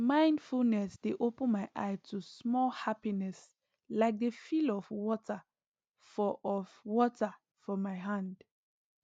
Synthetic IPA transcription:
mãɪ̃ndfulnɛsdeʔopə̃nmaɪʔa̰ɪtʰusmɔlhapinɛs | laɪk̚defilɔfwɔtʰə | fɔɔvwɔtə | fɔmaɪɦãnd

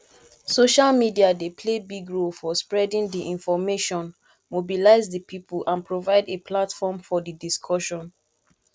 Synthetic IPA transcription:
soʃalmidiadepʰlebiɡɹolfɔspɹɛdĩndiʔĩnfɔmeʃɔ̃n | mobilaɪzdəpʰipulʔãnpɹovaɪdepʰlatfɔmfɔdidiskʰɔʃɔ̃n

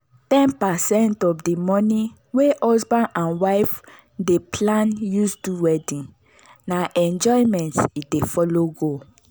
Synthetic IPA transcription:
tɛ̃npasɛ̃ntɔfdimɔ̃ni | weɔsbãnʔãnwaɪf | depʰlãnjusduwɛdĩn | naʔɛ̃nd͡ʒɔimɛ̃ntit̚defɔloɡo

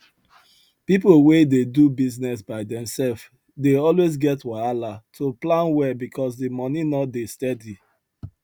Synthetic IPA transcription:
pipl̩wededubiznɛsbaɪdɛ̃msɛlf | deɔlwezɡɛtwaalatʰoplãnwɛbikʰɔsdimɔninɔtdestɛdi

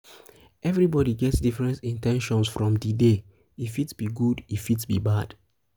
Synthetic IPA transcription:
ɛvɹibɔɾiɡɛtsdifɹɛ̃ntĩntɛ̃nʃɔ̃nsfɹɔ̃mdide | ifitb̥iɡudifitbḭbad̥

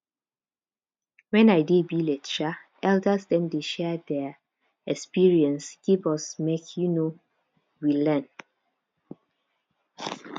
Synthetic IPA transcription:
wɛ̃naɪdebilɛt͡ʃaʔɛldəsdɛ̃mdeʃɛdɛ | ɛkspiɹiɛ̃nsɡ̥ivɔsmekʰjuno | wilɛn

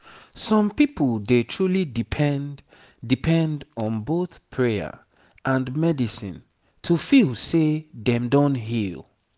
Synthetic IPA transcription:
sɔ̃mpipəlˠdetʰɹulidipʰɛn | dipʰɛ̃ndɔ̃nboθpʰɹeə̰ | ʔãnmɛdisḭ̃n | tʰufilˠseðɛ̃mdõntɦilˠ

